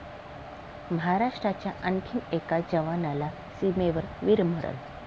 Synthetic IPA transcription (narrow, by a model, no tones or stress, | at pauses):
məɦaɾaʂʈɾat͡ɕjaʔənkʰimekad͡ʑəʋanala | simeʋəɾʋiɾm̤əɽə̰l